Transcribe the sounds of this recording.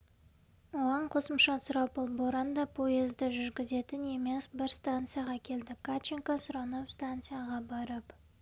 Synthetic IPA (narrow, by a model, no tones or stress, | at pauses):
woʁɑɴqʰo̞səmʃɑsʊɾɑpolˠboɾand̪ɑpʰo̞jezd̪ɪʒʏɾɡʲɪze̞t̪ɪne̞me̞sbɪɾst̪ant̪sɨjaʁɑkʲʰe̞ld̪ɪkʰat͡ʃiŋkɑsʊɾɑnɑpst̪ant̪sɨjaʁɑbɑɾəp